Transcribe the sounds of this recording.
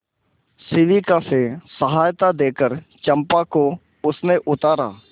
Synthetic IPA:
sɪʋikasesəɦaːjt̪ad̪eːkəɾt͡ʃə̃mpako | ʊsneʔʊt̪aːɾa̰ː

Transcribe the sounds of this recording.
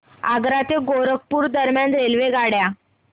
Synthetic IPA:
aɡɾat̪eɡoɾək̚puːɾd̪əɾmjanɾelʋeɡaɽja

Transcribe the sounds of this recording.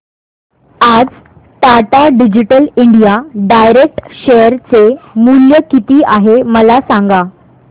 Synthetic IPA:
ad͡z | t̪aʈaɖid͡ʑiʈəliɳɖijaɖajɾek̚ʈɕejəɾt͡semuljəkit̪iːʔaɦeməlasãŋɡa

